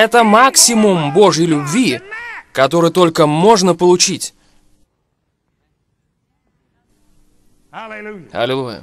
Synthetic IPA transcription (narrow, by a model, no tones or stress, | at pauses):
ɛt̪əmaksʲɪmʊmbo̞ʐəjlʲʊbvʲikɐt̪o̞ɾɨjt̪o̞lʲkəmo̞ʐnəpəlˠʊt͡ɕitʲ | ɐ̰lʲɪlˠujə̰